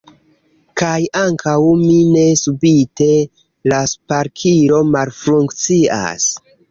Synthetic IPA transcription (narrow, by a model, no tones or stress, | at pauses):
kajaŋkʰawmine̞subite̞ | laspaɾkʰiɾo̞malfɾuŋkt͡sia̰s